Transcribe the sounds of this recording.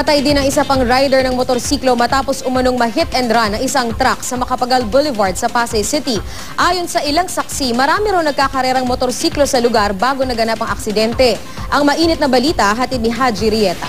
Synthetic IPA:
pɐt̪ɐjd̪ɪnɐŋɪsɐpɐŋɾajd̪ɛɹnɐŋmot̪oɾsiːklo̞mɐt̪aːpo̞sʔʊmɐno̞ŋmɐɦɪt̪ɛnd̪ɾanːɐŋʔɪsɐŋt̪ɾaksɐmɐkɐpɐɡalbʊlɪvaɹd̪̚sɐpaːsɐjsɪt̪i | ʔaːjo̞nsɐʔɪlaŋsɐk̚simɐɾaːmɪɾawnɐɡ̚kaːkɐɾɛːɾɐŋmot̪oɾsiːklo̞sɐlʊɡaɾbaːɡo̞nɐɡɐnapɐŋɐk̚sɪd̪ɛnt̪ɛ | ʔɐŋmɐʔiːnɪt̪nɐbɐliːt̪ɐɦɐt̪id̪nɪɦad͡ʒiɾɪjɛːt̪ɐ̰

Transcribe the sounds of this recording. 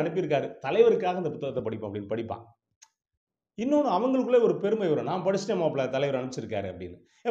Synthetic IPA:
ɐɳɯpːɯɪɾɯkːaːɾɯt̪ɐlɐɪʋɐɾɯkːaːɣɐnd̪ɐpʊt̪ːɐɣɐt̪ːɐpɐɽɪpːãːɐpːɐɽɪnːɐpɐɽɪpːã̰ː | ɪnːoːnɯ̃ɐʋɐŋɡɐɭɯkːɯɭlːeːɔɾɯpɛɾɯmɐɪʋɐɾõːnaːmpɐɽɯt͡ʃːnɐmaːpːɭat̪ɐlɐɪʋɐɾɐɳɯpːɪt͡ʃːɪɾɯkːaːɾɯːɐpːɐɽɪnːɯ | ɛ

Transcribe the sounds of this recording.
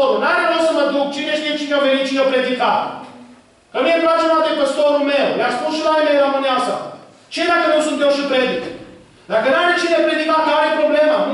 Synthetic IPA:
oɾunaɾeɾewsəməd̪uk̚t͡ʃineʃt̪ijet͡ʃinevenit̪̚t͡ʃinəpɾed̪ika | kəmieplat͡ʃemat̪epəst̪oɾulmewlaspunʃilaimeɾəmɨneasa̰ | t͡ʃeed̪akənusunt̪ewʃipɾed̪ik̪ | d̪akənaɾet͡ʃinepɾed̪ikakaɾejepɾoblemə

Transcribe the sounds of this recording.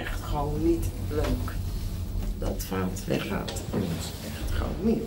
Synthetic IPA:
ɛχtχəʋownitløːk | dɑtfaːltʋɛ̰χa̰ːt | ɛnɪs | ɛχtχo̰wnit

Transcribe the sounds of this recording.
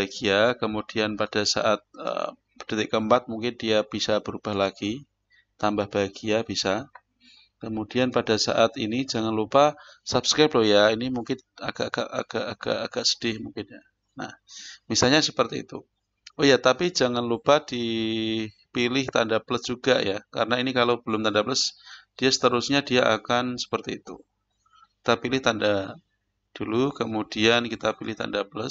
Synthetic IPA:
baɡiakəmud̥ianpad̥asa̰ʔat̪̚ə̰ | əd̥it̪ɪʔkəmpat̪̚muŋkɪndiab̥isab̥əɾub̥ahlaɡ̥i | t̪ambahb̥aɡ̥iab̥isa | kəmudianpadasa̰ʔat̪inid͡ʒaŋanlupasapskɾap̚dɔhjainimuŋkɪnaɡ̥aʔɡ̥a̰ʔa̰ɡ̥aʔaɡ̥a̰ʔaɡ̥aʔsə̥d̥ɪhmuŋkɪnja | na̰hmisalɲasəpərt̪ḭːt̪ṵ | ojat̪apid͡ʒaŋanlupadi | pilɪht̪andapləsd͡ʒ̥uɡajaka̰ɾənainikalawb̥əlʊmt̪andapləsd̥iasə̥t̪əɾusɲadiaʔakansə̥pərt̪iːt̪ṵ | kit̪apilɪht̪anda | d̥ulukəmudiankit̪apilɪht̪a̰ndapləs

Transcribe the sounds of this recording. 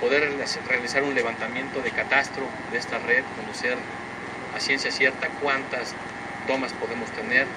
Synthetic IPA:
po̞ðeɾsrealisaɾunle̞β̞ant̪amje̞nt̪o̞ðekat̪ast̪ɾo | ðeest̪are̞ðkond̪useɾ | pasje̞nsjasje̞ɾt̪akwant̪as | t̪o̞maspo̞ðe̞mo̞st̪e̞ne̞ɾ

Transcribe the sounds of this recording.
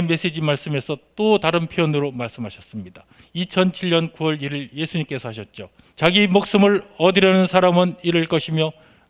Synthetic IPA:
me̞s͈ed͡ʑimaɭs͈ɯme̞sʰʌt͈otaɾɯnpʰeʌnɯɾomaɭs͈ɯmɦaɕʰʌs͈ɯmɲida | it͡ɕʰʌnt͡ɕʰiʎɲʌnkuwʌɭiɾɯɭje̞sʰuɲimk͈e̞sʰʌɦaɕ̬ʰʌt̚t͡ɕ͈o | t͡ɕaɡimok̚s͈ɯmɯɭʌdɯɾjʌnɯnsʰaɾamɯniɾɯɭk͈ʌɕʰimjʌ

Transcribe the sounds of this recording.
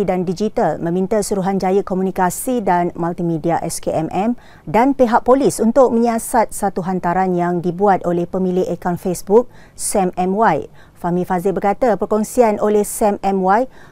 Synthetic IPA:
idandid͡ʒit̪almə̃mĩnt̪əsuɾuɦand͡ʒajəkomunikasidanmalt̪imĩdiaʔɛskeʔɛmʔɛm | danpeɦaʔ̚polisunt̪ʊk̚mə̃ɲiasat̪̚sat̪uɦant̪aɾanjaŋdibuat̪̚olɛhpəmĩleʔekanfesbuk̚ | sɛmɛmwaj | famĩfazɪbərkat̪apərkɔŋsianolɛhsɛmɛmwaj

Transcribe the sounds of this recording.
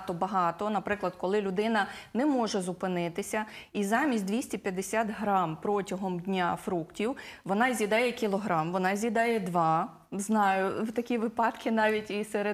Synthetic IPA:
t̪ɔbɐɦɑt̪ɔnɐpɾɪklˠɐd̪kɔlˠɪlʲʊd̪ɪnɐnɛmɔʒɛzʊpɪnɪt̪ɪsʲɐizɑmʲisʲt̚ʲd̪ʋʲisʲtʲipʲjɐd̪esʲat̪ɦɾɑmpɾɔtʲɐɦɔmdʲnʲafɾuktʲiwʋɔnɑzʲid̪ɑjɛkʲilˠɔɦɾɑmʋɔnɑzʲid̪ɑjɛd̪ʋɑ | znɑjʊt̪ɐkʲiʋɪpɑt̪kʰɪnɑʋʲitʲiseɾe

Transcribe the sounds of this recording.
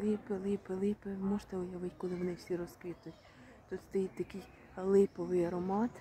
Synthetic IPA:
lˠɪpɪlˠɪpɪlˠɪpɪmɔʒt̪ɛʊjɐʋɪtʲkɔlˠɪʋɔnɪwsʲiɾɔskʋɪt̪ʊjtʲ | t̪ɔt̪t̪ɛjt̪ɐkɪj | lˠɪpɔʋɪjɐɾɔmɑt̪

